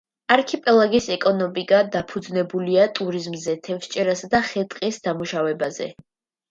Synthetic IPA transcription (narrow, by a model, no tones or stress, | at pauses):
aɾkʰipʼɛlˠaɡisɛkʼɔnɔmiɡʼad̪apʰud̪znɛbuliat̪ʼuɾizmzɛt̪ʰɛfst͡ʃʼɛɾasd̪aχɛt̪ʼqʼisd̪amuʃavɛbazɛ̰